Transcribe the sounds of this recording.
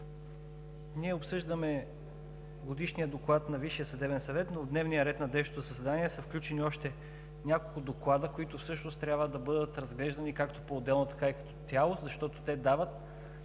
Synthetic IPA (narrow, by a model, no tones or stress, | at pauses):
niɛopsɤʒd̪əmɛ | ɡod̪iʃniəd̪oklˠat̪nɐviʃijəsɐd̪ɛbɛnsɐvɛt̪novd̪nɛvnijəɾɛt̪nɐd̪ɛʃt̪ot̪ʊzɐsɛd̪aniɛsɐfklʲut͡ʃɛniɔʃt̪ɛ | nʲakolˠkʊd̪oklˠad̪əkoit̪ʊfsɤʃnost̪t̪ːɾʲabvəd̪ɐbɤd̪ət̪ɾɐzɡlɛʒd̪ɐnikakt̪opoːd̪ɛlˠnot̪ɐ̥kaikɐ̥t̪ɔ̥t̪sʲjalˠost̪zɐʃt̪ɔt̪o̥t̪ɛd̪avət̪̚